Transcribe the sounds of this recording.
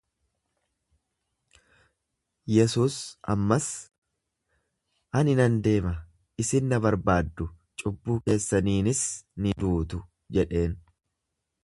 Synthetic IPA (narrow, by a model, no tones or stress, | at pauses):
jɛsuːsɐ̰mːɐs | ʔɐnɪnɐnd̪e̞ːmɐ | ɪsɪnːɐbɐɾbaːd̪ːʊ | t͡ʃʼʊbːuːke̞ːsːɐniːnɪsnɪd̪uːt̪ʊ | d͡ʒɛᶑe̞ːn